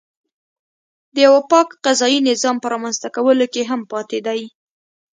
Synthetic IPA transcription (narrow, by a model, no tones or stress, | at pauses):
d̪əjawapɑkqazɑjinɪzɑmpəɾɑmanzt̪akawəlokeɦampɑt̪ed̪aj